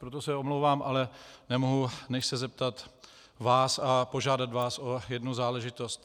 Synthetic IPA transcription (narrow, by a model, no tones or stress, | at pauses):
pɾot̪osɛomlowvaːmʔalɛnɛmoɦunɛʃsɛzɛp̚t̪at̪ | vaːsapo̞ʒaːdat̪vaːsojɛdnuzaːlɛʒɪt̪o̞st̪